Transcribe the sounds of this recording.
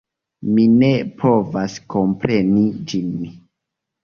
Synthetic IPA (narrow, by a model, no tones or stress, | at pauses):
mine̞pʰo̞vasko̞mpɾe̞nid͡ʒinmi